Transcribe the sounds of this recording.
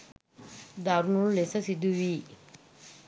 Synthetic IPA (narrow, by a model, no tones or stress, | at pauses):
d̪aɾŋulesasid̪uwi